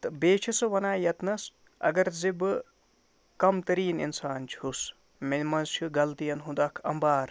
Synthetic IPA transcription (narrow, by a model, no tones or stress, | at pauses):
t̪beːt͡ʃʰisɨʋɐnaːjɐt̪nɐs | ɐ̰ɡɐɾzibɨ | kɐmt̪ɐɾiːnḭnsaːnt͡ʃʰhus | menmɐnzt͡ʃʰiɡɐlt̪ijɐnɦud̪ɐːkʰɐ̰mbaːɾ